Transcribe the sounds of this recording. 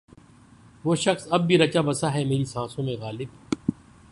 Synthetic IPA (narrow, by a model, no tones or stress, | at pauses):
ʋoːʃɐxsɐb̚ːʱiɾɐt͡ʃaːbɐsaɦɛmeːɾisãːsõmẽɣaːlɪb